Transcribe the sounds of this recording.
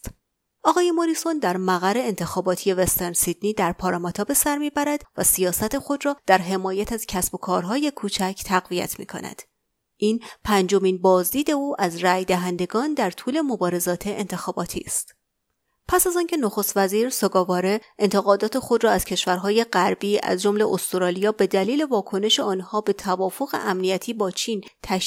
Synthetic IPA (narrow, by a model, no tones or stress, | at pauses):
ʔɒːɣɒːje̞mo̞ɾiːsond̪æɾmæɣæɾe̞ent̪ʰe̞xɒːbɒːt̪ʰije̞vest̪eɾnsid̪̥niːd̪æɾpʰɒːɾɑmɒt̪ʰɒːbe̞sæɾmiːbæɾæd̪̥væsijɒːsæt̪ʰe̞xo̞d̪ɾɒːd̪̥æɾɦe̞mɒːjæt̪ʰæz̥cʰæsb̥o̞kʰɒːɾɦɒːje̞kʰuːt͡ʃʰæcʰt̪ʰæɣvijæ̰t̪ʰmḭːkʰo̞̰næ̰d̪̥ | ʔiːnpʰænd͡ʒo̞miːnbɒːzd̪iːd̪e̞uːʔæzræːjd̪æɦænd̪e̞ɡɒːnd̪æɾt̪ʰuːle̞mo̞bɒːɾe̞zɒːt̪ʰeʔent̪ʰe̞xɒːbɒ̰ːt̪ʰḭːst̪ | pʰæsæzɒːncʰe̞noxo̞st̪væziːɾsoɡɒːvɒːɾe̞ʔe̞nt̪ʰe̞ɣɒːd̪ɒːt̪ʰe̞xo̞d̪ɾɒːæz̥cʰe̞ʃvæɾɦɒːje̞ɢæɾbiːʔæ̰zd͡ʒo̞mle̞ʔost̪oɾɒːlijɒːbe̞d̪æliːle̞vɒːkʰo̞ne̞ʃeɒːnhɒːbe̞t̪ʰævɒːfo̞ɣe̞̰ʔæmnijæt̪ʰiːbɒːt͡ʃʰiːnt̪ʰæʃ